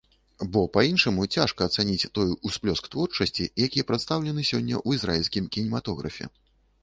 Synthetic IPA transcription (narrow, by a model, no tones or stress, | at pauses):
bɔpainʂɐmut͡sʲaʂkɐːt̪sanʲit͡sʲt̪ɔjusplʲɔskt̪vɔrt͡ʂɐsʲt͡sʲḭjakʲijɛpɾɛt̪st̪awlʲɛnɨsʲɔnʲːɐ̰ʔuizɾailʲsʲkʲimkʲinʲimat̪ɔɣɾɐ̰fʲɛ̰